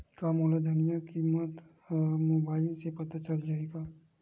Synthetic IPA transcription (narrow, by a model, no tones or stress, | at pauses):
kamoːlad̪ʱɐnjakiːmət̪ | moːbaːɪlsepɐt̪at͡ʃɐld͡ʒaːeːɡaː